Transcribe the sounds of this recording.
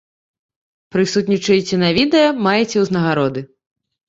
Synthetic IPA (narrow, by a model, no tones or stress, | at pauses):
pɾɨsut̪ʲnʲit͡ʂɐjt͡sʲɛnɐvʲid̪ɛjɐmajɛt͡sʲɛwznɐɣaɾɔd̪ɨ